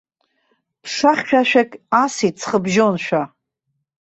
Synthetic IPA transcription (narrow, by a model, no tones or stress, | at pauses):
pʰʂaχʲʃᶣaʃᶣakʲʼasit͡sʰχəbʒonʃᶣa